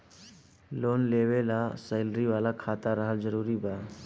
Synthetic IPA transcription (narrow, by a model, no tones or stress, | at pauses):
loːnleːʋelasəjlɾiʋaːlakʰaːt̪aɾəɦəld͡ʒəɾuːɾibaː